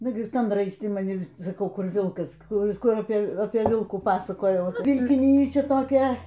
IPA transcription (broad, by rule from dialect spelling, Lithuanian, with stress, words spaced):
ˈnʊɡʲɪ ˈtɐn rɐɪsʲˈtʲɪ mɐˈnʲɪ ɪr sɐˈkɐʊ ˈkʊr ˈʋʲɪlˠkɐs ˈkʊr ˈkʊr ɐpʲeː ˈʋʲɪlˠkuː ˈpɑːsɐkoːjɛʊ ʋʲɪlʲkʲɪˈnʲiːt͡ʃʲɛ toːˈkʲɛ